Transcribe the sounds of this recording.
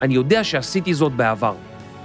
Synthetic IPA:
anijo̞d̪eaʃeasit̪izo̞t̪̚beavaʁ

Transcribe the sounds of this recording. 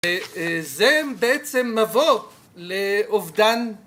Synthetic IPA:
ezebeet͡semːavo | leovd̪an

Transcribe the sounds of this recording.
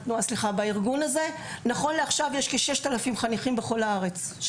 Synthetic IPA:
nuasliχabaiʁɡunaze̞ | naχo̞nle̞aχʃavjeʃkeʃeʃt̪alafimχaniχimbe̞χo̞laaʁe̞t͡s

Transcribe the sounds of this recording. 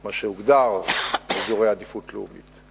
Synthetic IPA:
maʃeuɡd̪aʁezoʁejad̪ifut̪leṵmit̪

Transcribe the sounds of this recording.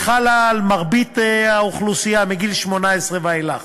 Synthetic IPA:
χalalmaʁbit̪eauχlusijamiɡilʃmo̞naesʁevajla

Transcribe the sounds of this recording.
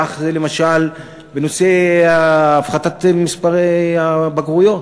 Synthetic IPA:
aχzele̞maʃal | beno̞seaːfχat̪at̪mispaʁeabaɡʁujo̞

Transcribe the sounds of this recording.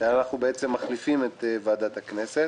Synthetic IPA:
anaχnubeet͡se̞mːaχlifimet̪evaːd̪at̪haknese

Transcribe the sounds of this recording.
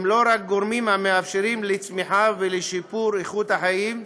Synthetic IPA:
mlo̞ɾak̚ɡoɾmimhameafʃeɾimlet͡smiħaveleʃipuɾeχut̪haħajim

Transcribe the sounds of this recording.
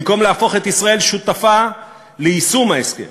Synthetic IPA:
mko̞mleafo̞χe̞t̪isʁae̞lʃut̪afa | leisumaeskḛ

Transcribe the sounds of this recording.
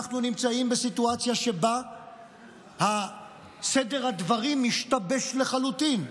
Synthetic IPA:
aχnunimt͡saimbesit̪uat͡sjaʃe̞ba | ha | sedeʁhad̪vaʁimːiʃt̪abe̞ʃle̞χalut̪in

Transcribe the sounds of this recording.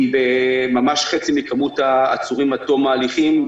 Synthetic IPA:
bemamaʃχet͡simikamut̪aːt͡suʁimat̪o̞maːliχim

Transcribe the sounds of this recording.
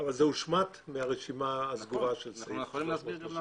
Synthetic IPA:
avalzeuʃmat̪meaʁeʃimaːsɡuʁaʃelsʁi

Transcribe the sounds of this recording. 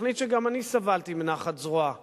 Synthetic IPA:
nit̪ʃeɡamanisavalt̪imenaχat̪zʁoa

